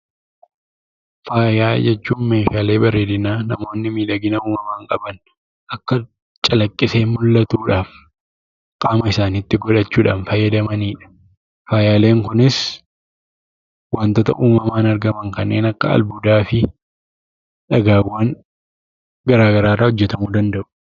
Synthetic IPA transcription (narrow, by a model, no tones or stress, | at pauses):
faːjaːd͡ʒɛt͡ʃːuːnme̞ːʃaːle̞ːbɐɾe̞ːd̪ɪnaːnɐmo̞ːnːɪmiːlɐɡɪnɐuːmɐmaːŋkʼɐbɐn | ʔɐkːɐ | t͡ʃʼɐlɐkʼːɪse̞ːmʊlːɐt̪uːᶑaːf | kʼaːmɐɪsaːniːt̪ːɪɡɔᶑɐt͡ʃːuːᶑaːnfɐjːɐd̪ɐmɐniːᶑɐ̥ | faːjaːle̞ːŋkʊnɪs | waːnt̪oːt̪ɐ̰ʔuːmɐmaːnɐɾɡɐmɐŋkɐnːe̞ːnɐkːɐ̰ɐ̰lbud̪aːfɪ | ᶑɐɡaːwːaːŋ | ɡɐɾaːɡɐɾaːrːɐhɔd͡ʒːɛt̪ɐmuːd̪ɐnd̪ɐʔʊ̥